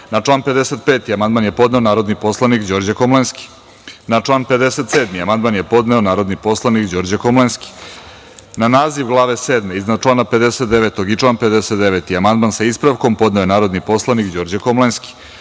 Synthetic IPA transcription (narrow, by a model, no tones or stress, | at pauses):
nat͡ʃlˠaːnpe̞d̪eset̪̚peːt̪iamand̪manje̞po̞d̪neonaːɾo̞d̪nipo̞slˠanikd͡ʑo̞ːɾd͡ʑakomlenski̥ | nat͡ʂlˠaːnpe̞d̪eset̪seːd̪miamand̪̚manjepo̞d̪neonaːɾod̪nipo̞slˠanikd͡ʑo̞ːɾd͡ʑakomlenski̥ | nanaːziʋɡlˠaːʋeseːd̪meiznad̪̚t͡ʃlˠaːnaped̪eset̪̚d̪eʋet̪oɡit͡ʂlˠaːnped̪eset̪d̪eʋet̪iamand̪mansaispɾaʋko̞mpo̞d̪nejenaːɾod̪nipo̞slˠanikd͡ʑo̞ːɾd͡ʑekomlenski̥